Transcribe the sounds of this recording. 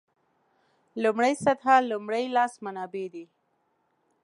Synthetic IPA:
lumɽəjsat̪ʰalumɽəjlɑsmanɑbed̪i

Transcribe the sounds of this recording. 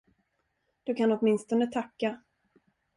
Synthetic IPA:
d̪̥ɵkʰanɔt̪mɪnst̪ɔnət̪ʰakːa

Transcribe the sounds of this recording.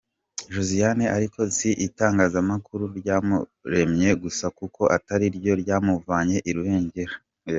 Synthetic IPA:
ʒuzijaneʔaɾikʰo̞ziʔitaːŋɡaːzamakuɾuɾɟaːmuɾe̞mɲe̞ɡusakuko̞ʔataɾiɾɟo̞ɾjaːmuvaɲe̞ʔiɾuhe̞ːɲɟe̞ɾa

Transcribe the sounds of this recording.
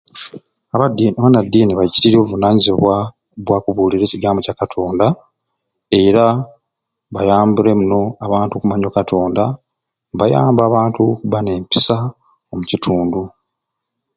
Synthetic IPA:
aβadiaβanadːiːniβajiciɾiɾovunaːɲiziβwa | βwaːkuβuːliɾe̞ːciɡaːmbo̞cakatʰo̞ːnda | e̞ɾa | βajaːmbuɾe̞muno̞aβaːntukumaɲokatʰo̞ːnda | βaja̰ːmbaːβaːntʰukuβane̞ːmpi̥sa | omucitʰuːndu

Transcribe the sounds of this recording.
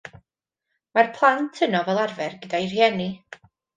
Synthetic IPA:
marpʰlˠantʰənɔvɛlˠarvɛrɡədajrhjɛni

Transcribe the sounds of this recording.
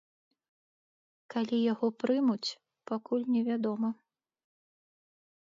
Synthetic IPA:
kalʲijaɣɔpɾɨmut͡sʲ | pakulʲnʲɛvʲad̪ɔmɐ

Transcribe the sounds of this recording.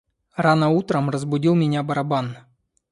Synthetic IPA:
ranəut̪ɾəmrəzbʊdʲilˠmʲɪnʲabɐɾɐban

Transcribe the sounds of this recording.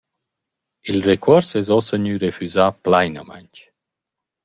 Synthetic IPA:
ilrekʰwɔɾsɛzɔsəɲyɾefyzaplajnəma̰jɲt͡ʃ

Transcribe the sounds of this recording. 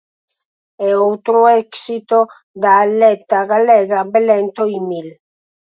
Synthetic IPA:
ɛowt̪ɾoɛksit̪o | d̪aːlɛt̪aɣalɛɣabelɛnt̪oimil

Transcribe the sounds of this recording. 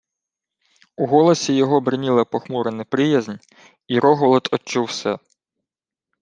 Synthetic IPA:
uɦɔlˠɔsʲijɔɦɔbɾɪnʲilˠɐpɔxmuɾɪnɛpɾɪjɐzʲnʲ | iɾɔɦɔlˠɔt̪ɔt͡ʃːuwsɛ

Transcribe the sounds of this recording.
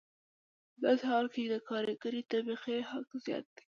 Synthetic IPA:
pəd̪ɑsehɑlked̪əkɑɾeɡəɾit̪abiqehɑkzjɑ̰t̪̚d̪̥i̥

